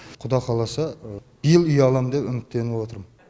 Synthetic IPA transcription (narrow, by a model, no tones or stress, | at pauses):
qʰʊd̪ɑqʰɑlˠɑsəb̥ijɪlˠʏjɑlˠɑmd̪e̞pʏmɪt̪t̪ːe̞nɪwo̞t̪əɾmə